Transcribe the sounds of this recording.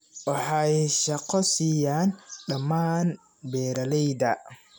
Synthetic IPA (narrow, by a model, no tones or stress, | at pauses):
ʔɑħajɛʃɐqɔsiːjaːnɗɐmaːn | bɛːɾɐlɛjd̪ɐ